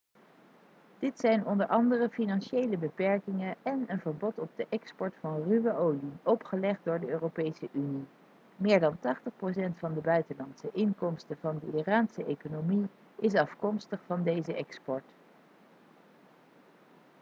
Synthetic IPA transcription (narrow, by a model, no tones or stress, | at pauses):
d̥ɪtsɛjnɔndəɹʔɑndərəfinɑnʃejləbəpɛɹkɪŋəɛnənvəɹbɔtɔb̚dəʔɛkspɔɹtfɑnryʋəʔowliɔpχəlɛχddʊːɹdəøːrowpejsəʔyni | mɪːɹdɑntɑχtəχpros̬ɛntfɑndəbœɥtənlɑntsəʔɪŋkɔmstəvɑndəiraːnsəʔejkonomi | ɪs̬ɑfkɔmstəχfɑndejzəʔɛkspɔɹt